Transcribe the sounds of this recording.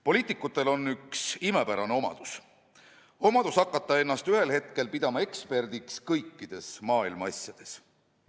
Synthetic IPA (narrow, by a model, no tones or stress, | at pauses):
po̞lʲiːt̪ˑikːˑut̪ːˑe̞lo̞nːyksime̞pæɾɑne̞o̞mɑ̰d̪̥us | o̞mɑd̪̥usɑkːˑɑt̪ˑːɑe̞nːɑst̪yhe̞lhe̞t̪̚ke̞lpid̪ɑmɑe̞kspe̞rd̪̥ikskɤjkːid̪̥e̞smɑːilmɑɑsʲjɑd̪̥e̞s